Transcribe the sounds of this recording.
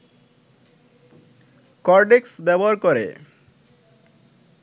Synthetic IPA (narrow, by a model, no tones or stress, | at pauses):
kɔɾɖeksbɛbɔaɾkɔɾḛ